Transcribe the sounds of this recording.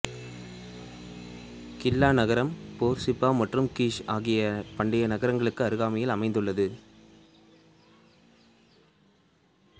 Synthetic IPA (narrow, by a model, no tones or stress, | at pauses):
kɪlːaːnɐɣɐɾɐmpoːɾsɪpːaːmɐʈrɯmkiːʂaːɣɪjɐpɐɳɖɪjɐnɐɣɐɾɐŋɡɐɭɯkːɯɐɾɯɣaːmɐjɪlɐmɐɪnd̪ɯɭːɐðɯ